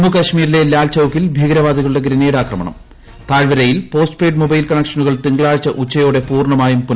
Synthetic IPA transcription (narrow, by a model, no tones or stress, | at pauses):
nukɐɕmiːɾile̞laːlt͡ɕɐwkːilbʱiɡɐɾɐʋaːd̪ʱiɣɐɭuɽe̞ɡɾinɐjuɽaːkrɐmɐɳɐ̰m | t̪aːɻʋɐɾɐjilpo̞ːsʈ̚preːɖmobɐjlkɐɳːɐkʂɐnuɣɐɭt̪iŋɡɐɭaːɻt͡ɕːɐʔut͡ɕːɐjoːɽe̞puːrɳɐmaːjumpu